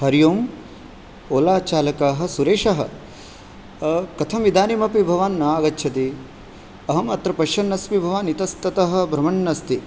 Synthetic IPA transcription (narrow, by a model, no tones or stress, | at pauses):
hɐɾjoːm | oːlaːt͡ʃaːlɐkaːɦɐ̆suɾeːʂɐɦɐ̰̆ | kɐt̪ʰɐmʋid̪ʱaːnimɐpibʱɐʋaːnːɐaːɡɐtːʃʰɐt̪i | ɐɦɐmɐt̪ɾɐpɐʃjɐnːɐsmibʱɐʋaːnit̪ɐst̪ɐt̪ɐɦɐ̆bʱɾɐmɐɳːɐst̪i